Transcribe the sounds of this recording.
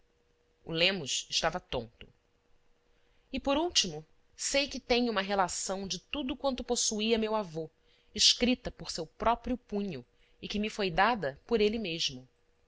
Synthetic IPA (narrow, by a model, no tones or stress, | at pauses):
ʊ̰lẽmʊʃɪʃt̪avɐt̪õ̰nt̪ʊ̥ | ɪpoɾuwt͡ʃimʊ | sejkɪt̪ẽɲũmɐɦelasɐ̃w̃d͡ʒɪt̪ud̪ʊkwɐ̃nt̪ʊposuiɐmewavo | ɪʃkɾit̪ɐpoɾsewpɾɔpɾjʊpũɲʊ | ɪkɪmɪfojd̪ad̪ɐpoɾelɪmeʒmʊ